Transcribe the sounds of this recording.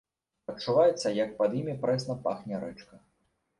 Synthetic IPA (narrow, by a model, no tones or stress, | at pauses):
ɐt͡ʂːuvajɛt̪sːɐjɐk̚pɐd̪jimʲipɾɛsnɐpa̰xnʲɛɾɛt͡ʂkɐ